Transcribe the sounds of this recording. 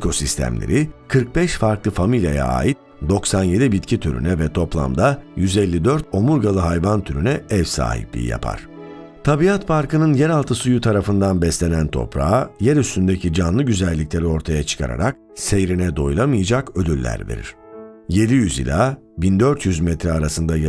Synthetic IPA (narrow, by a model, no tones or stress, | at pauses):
kʰo̞sist̪ʰæ̰mlʲḛɾikʰɯɾk̚bɛʃfaɾklˠɯfamilʲja̰ja̰a̰ːjit̪̚ | d̪o̞ksanje̞d̪ibit̪cʰit̪ʰyɾy̰nɛvɛt̪ʰo̞plˠa̰md̪ajyzɛlʲːid̪øɾt̪̚ʰo̞muɾɡalˠɯɦajvant̪ʰyɾynɛɛvsa̰ːhḭplʲḭjḭja̰pʰa̰ɾ̥ | t̪ʰabiat̪pʰaɾkʰɯnɯnjɛɾalˠt̪ʰɯsujut̪ʰaɾafɯnd̪anbɛslʲe̞nænt̪ʰo̞̰pɾa̰jɛɾyst̪ynd̪ecʰid͡ʒanlˠɯɟyzɛlʲːicʲlʲe̞ɾio̞ɾt̪ʰajat͡ʃʰɯ̥kʰa̰ɾa̰ɾak̚ | sejɾinɛd̪o̞jlˠamɯjad͡ʒakø̞d̪ylʲːæ̰ɾvḛɾḭɾ̥je̞d̪ijyzḭlʲaː | bind̪øɾt̪jyzmɛt̪ɾɛaɾasɯnd̪aj